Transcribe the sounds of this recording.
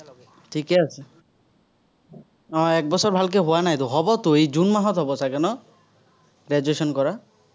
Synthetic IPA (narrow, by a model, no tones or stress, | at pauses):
ʈʰikease | ɔ̃ɛk̚bɔsʰɔɾbʱalk̬eɦowanajt̪oɦɔbɔt̪oejd͡ʒunmaɦɔt̪ɦɔbɔsʰakɛnɔ | ɾed͡ʒwesɔnkɔɾa